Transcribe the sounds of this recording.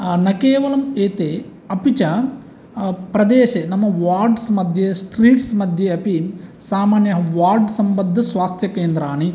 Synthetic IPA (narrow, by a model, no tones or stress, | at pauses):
nɐkeːʋɐlɐmeːt̪eː | ɐpit͡ʃɐ | pɾɐd̪eːʃenɐmːɐʋaːɾɖsmɐd̪ʱjesʈɾiːʈsmɐd̪ʱjeɐpisaːmaːnjɐɦɐʋaːɾɖsɐmbɐd̪ʱːɐsʋaːst̪ʰjɐkeːnd̪ɾaːɳi